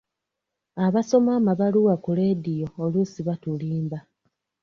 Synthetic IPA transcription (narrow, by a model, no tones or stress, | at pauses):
aβaso̞maːmaβaluwakuledijo̞ːlusiβatuliːmba